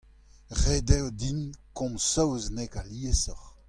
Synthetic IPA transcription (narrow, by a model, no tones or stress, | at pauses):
ʁedɛwdinkɔ̃msɔwznɛkaliesɔʁ